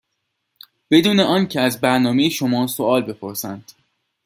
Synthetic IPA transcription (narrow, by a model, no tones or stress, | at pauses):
b̥e̞d̪uːneɒːncʰeæzbæɾnɒːme̞jeʃo̞mɒːsoʔɒːlbe̞pʰo̞ɾsænd̪̥